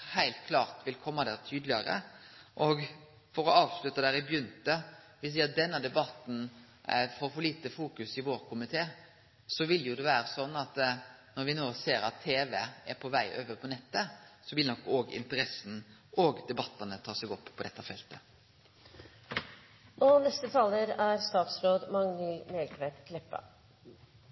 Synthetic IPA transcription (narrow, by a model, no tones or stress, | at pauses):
hæɪlt̪̚kʰlɑːʁt̪ʋɪlkʰɔmːɑd̪æɾt̪ʰyːd̪lɪɑɾə̰ʔɔːɡ | fɔɾɔɑːʋslʉt̪ːɑd̪æːɾɪbjʏnt̪ə | ʋɪs̬iːəd̪ɛnːəd̪ɛbɑt̪ːn̩ | foːɾfɔɭiːt̪əfuːkʉsɪʋoːɾkʰʊmɪt̪ʰeː | sɔʋɪljʊd̪ɛʋæːɾəsɔnːɑt̪nɔɾʋɪnoːseːɾɑt̪ʰːeːʋɛæɾpʰɔʋæɪʔø̰ːʋəɾpʰɔnɛt̪ːəsɔʋɪlnɔkːoːɡɪ̰nt̪əɾɛsn̩ʔoːɡd̪ɛbɑt̪ːənət̪ʰɑːsɛɡɔpːʰɔd̪ɛt̪ːəfɛlt̪ə | ɔnɛst̪ət̪ʰɑːləɾæɾst̪ɑːt̪sɾoːd̪mɑŋːəlmelkʋeːt̪kʰlɛpːə̰